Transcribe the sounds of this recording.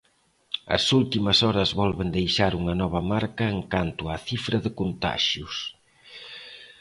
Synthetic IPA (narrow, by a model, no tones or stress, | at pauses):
ɐ̰sult̪imɐsɔɾɐzβɔlβend̪ejʃaɾuŋɐnɔβ̞ɐmaɾkɐeŋkant̪ʊaθifɾɐðɪkont̪a̰ʃjʊs